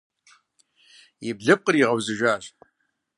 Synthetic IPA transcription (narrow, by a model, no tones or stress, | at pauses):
ibɮɨp̚qʼəriʁawzɨʒʷᶣaːɕ